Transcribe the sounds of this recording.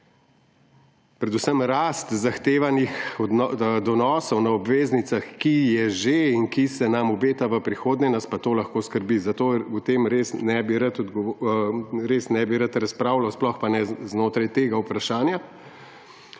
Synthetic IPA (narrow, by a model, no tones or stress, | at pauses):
pɾɛd̪usəmɾaːst̪zaxt̪eːʋanixɔd̪ɔnɔːsɔwnɐɔbʋeːznit̪saxkijɛʒeiŋkisɛnamubeːt̪aʋəpɾixoːd̪nʲɛnaspat̪oːlɐxkoːskəɾbizɐt̪oːut̪emɾeːsnɛbiɾət̪ɔd̪ɡɔ | ɾesnɛbiɾɐt̪ɾɐspɾaːwlawsplɔxpanɛznoːt̪ɾajt̪eːɡaupɾaʃaːnja